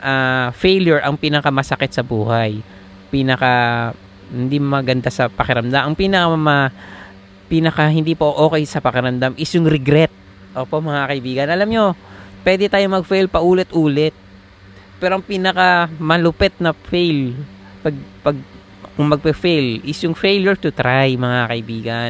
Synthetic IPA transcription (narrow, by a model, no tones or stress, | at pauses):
ʔaːfɛjljʊɹʔɐŋpiːnɐkamɐsɐkɛt̪̚sɐbuːhaj | piːnɐka | hɪnd̪imɐɡɐnd̪asɐpɐkɪɾɐmd̪amʔɐŋpiːnɐkɐmɐ | piːnɐkɐɦɪnd̪ipoʔo̞ːkɛjsɐpɐkɪɾɐmd̪amʔɪsjʊŋɾɛɡɾɛt̪̚ | ʔoːpomɐŋakɐʔɪbiːɡɐnʔɐlamɲo̞pwɛːd̪ɛt̪aːjomɐɡfejlpɐʔuːlɛt̪ʔuːlɛt̪̚ | pɛːɾoɐŋpiːnɐkamɐlʊpɛt̪̚nɐfejl | pɐɡ̚pɐɡ̚ | kʊŋmɐɡ̚pɛfejlʔɪsjʊŋfejljoɹt̪ʊt̪ɾajmɐŋakɐʔɪbiːɡɐn